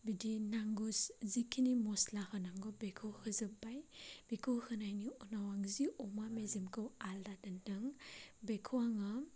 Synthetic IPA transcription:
bidinaŋɡuszikʰːinimɔslahɯnaŋɡɔbekʰɯwhɯzɯpbajb̥ekʰɯwhɯnajniɔnawaŋziɔmamezimkʰɯwaldadɯndɯŋbekʰɯwaŋɯ

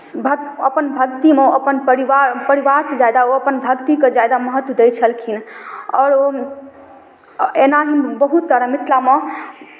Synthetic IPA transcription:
bʱə | əpənbʱək̚t̪imeəpənpəɾiʋaɾpəɾiʋaɾsed͡ʒajd̪aoəpənbʱəkt̪iked͡ʒajd̪aməɦət̪wəd̪ejt͡ʃʰəlkʰinɔːɾo | enaɦinbəɦut̪saɾamit̪ʰlame

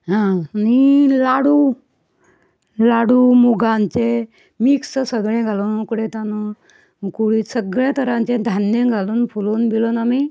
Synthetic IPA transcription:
ɦãnilaɽu | laɽumuɡãnt͡se | miksəsəɡɭẽɡʱalonukɽet̪anu | kuɽiːsəɡɭet̪əɾãnt͡ɕẽd̪ʱanjẽɡʱaluːnfuloːnbilonami

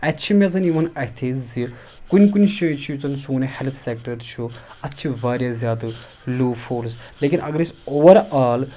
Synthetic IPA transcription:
ɐtːt͡ʃʰimʲɐt͡sɐniʋɐnɐɦt̪ʰezi | kunʲkunʲʃɐt͡ʃʰijut͡sɐnsuːnehelt̪ʰsek̚ʈɐɾt͡ʃʰu | ɐtːt͡ʃʰiʋaːɾʲjazʲjaːd̪ɨ | luːfʰoːɾsleːkinʔɐ̰ɡɐɾisoːʋɐɾaːl

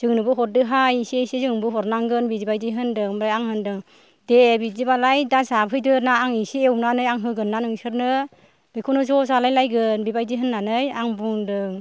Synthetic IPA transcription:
z̥ɯŋnɯbɯɦɔɾ̚dɯɦajisiesizɯŋnbɯɦɔɾnaŋɡɯnbizibajdɯɦɯndɯŋmɾajaŋhɯndɯŋ | debizibalajdazapʰɯjdɯnaːŋisiewnanɯjaŋɦɯɡɯnːanɯŋsɯɾnɯ | bɯjkʰunɯzɔzalajlajɡɯnbibajdiɦɯnːanɯjaŋbuŋdɯŋ

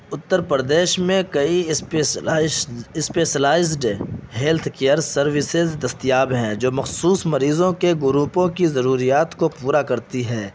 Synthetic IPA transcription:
ʊt̪ːəɾpɾəd̪eːʃmẽkɐi | ɪspeːʃəlaːɪzɖɦeːlt̪ʰkeːəɾsɐɾʋɪsɪzd̪ɐst̪ijaːbɦɛ̃d͡ʒoːmɐxsuːsmɐɾiːzõkeɡʊɾuːpõkizɐɾuːɾijaːt̪kopuːɾakɐɾt̪iɦɛː

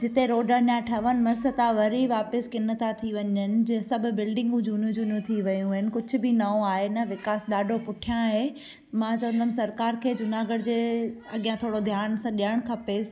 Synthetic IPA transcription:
d͡ʑɪt̪eɾoːɖənjaʈʰɐʋənɪ̆mɐsət̪ãʋɐɾiʋaːpəskɪnə̆t̪at̪ʰiʋɐɲənɪ̆d͡ʑẽsɐbʱʊ̆bɪlɖɪ̃ŋɡũd͡ʑuːnijũd͡ʑuːnijũt̪ʰiʋɐjũaɦɪnɪ̆kʊd͡ʑʱʊ̆bɪnɐõaːɦenɐʋɪkaːsɗaːɖʱopʊʈʰijãɦe | mãt͡ɕɐʋə̃nd̪ʱəm̆sɐɾkaːɾkʰeːd͡ʑʊnaːɡəɽd͡ʑeːɐɠijãt̪ʰoːɽod̪ʱjaːnsãːɗiəɽ̃kʰɐpeːs

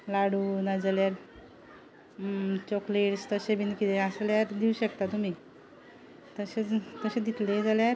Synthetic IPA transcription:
laɽuːnad͡zaljaɾ | t͡ɕɔkleʈst̪əɕebinkit̪eəsljaɾd̪iuɕək̚t̪at̪umiː | t̪əɕet̪əɕẽd̪it̪led͡zaljaɾ

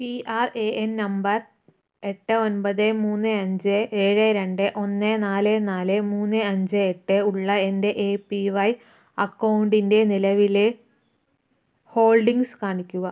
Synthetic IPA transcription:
piaːreʔennɐmbɐr | e̞ʈːɨo̞nbɐðɨmuːnːɨɐɲd͡ʑɨe̞ːɻɨɾe̞ɳɖɨʔo̞nːenaːlenaːlemuːnːɨɐɲd͡ʑɨeʈːɨuɭːɐende̞ʔeːpiʋɐj | ɐkːɐwɳɖinde̞nilɐʋile | ho̞ːɭɖiŋskaːɳikʲːuɣɐ

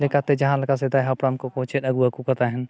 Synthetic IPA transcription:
lekat̪ed͡ʒɐɦãlɐkased̪aɦapɾamkokot͡ʃetɐɡuakukɐt̪aɦɛn

